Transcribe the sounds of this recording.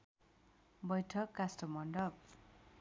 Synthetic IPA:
bʌjʈʰʌkːasʈʌmʌɳɖʌb

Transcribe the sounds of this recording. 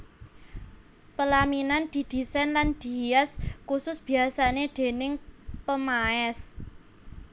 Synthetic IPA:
pəlaminand̪̥i̤d̪̥i̤sɛnland̪̥i̤jaskusʊsb̥i̤asaned̪̥e̤nɪŋpəmaɛs

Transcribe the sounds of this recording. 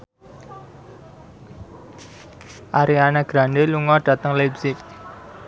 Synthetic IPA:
ʔaɾianaɡ̥ɾandeluŋɔɖ̥ä̤t̪əŋlabsɪk̚

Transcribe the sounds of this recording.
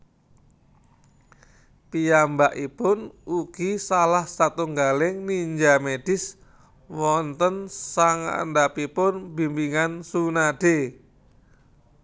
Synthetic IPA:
piambaʔipʊnuɡ̥isalahsat̪uŋɡalɪŋniɲd͡ʒamed̥ɪs | wɔnt̪ənsaŋa̰ndapipʊnbi̤mbiŋansunaɖ̥e

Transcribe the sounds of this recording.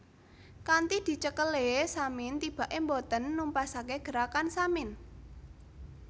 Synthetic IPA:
kant̪id̪̥i̤t͡ʃəkəlesamɪnt̪ib̥a̤ʔembot̪ənːumpasakeɡ̥ə̤ɾakansamɪn

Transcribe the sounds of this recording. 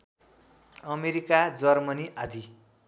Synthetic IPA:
ʌmeɾikad͡zʌrmʌniʔad̪ʱi

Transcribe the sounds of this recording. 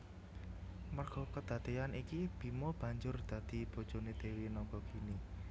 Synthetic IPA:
mərɡ̥ɔ̤kəd̪̥ä̤d̪̥eanʔikib̥i̤mɔb̥a̤ɲd͡ʒʊrd̪̥ä̤d̪̥i̤b̥o̤d̥ʒ̥o̤ned̪̥e̤winɔɡ̥ɔɡ̥ini

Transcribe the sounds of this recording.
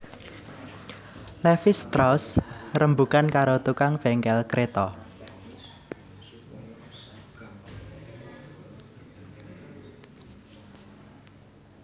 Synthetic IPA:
lɛfɪst̪ɾɔsrəmbukankaɾot̪ukaŋfɛŋkɛlkɾʔet̪ɔ

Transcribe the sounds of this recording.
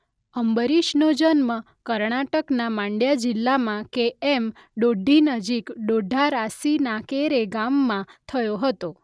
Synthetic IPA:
əmbəɾiʃnod͡ʒənmə | kəɾɳaʈəknamãɳɖjad͡ʒɪlːamãkeem | ɖoɖʱinəd͡ʒikɖoɖʱaɾasinakeɾeɡamːãt̪ʰəjoɦət̪o

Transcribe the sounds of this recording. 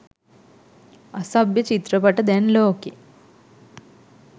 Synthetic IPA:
ɐsɐbjɐt͡ʃit̪ɾɐpɐʈːɐd̪enloːki

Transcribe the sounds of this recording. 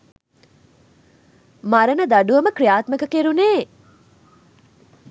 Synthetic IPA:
maɾənəd̪aɖuʋɐməkrijaːt̪məkəkeɾuneː

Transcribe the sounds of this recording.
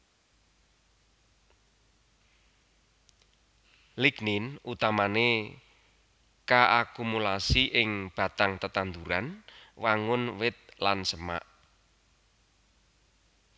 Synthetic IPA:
likninut̪amane | kaʔakumulasiʔɪŋb̥a̤t̪aŋt̪ət̪and̪uɾanwaŋʊnwɪt̪̚lansəma̰ʔ

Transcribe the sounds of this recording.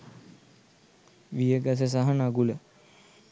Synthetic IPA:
ʋijəɡas̬əs̬aɦanaɡulə

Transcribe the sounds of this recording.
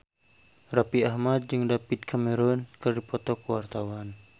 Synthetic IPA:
rapiahmad̪̚d͡ʒɨŋdapit̪̚kʰamɛɾɔnkɨrdipɔt̪ɔkuwart̪awan

